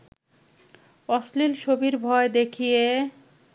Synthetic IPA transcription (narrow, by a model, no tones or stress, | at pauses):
ɔslilʃobiɾbʱɔed̪ekʰije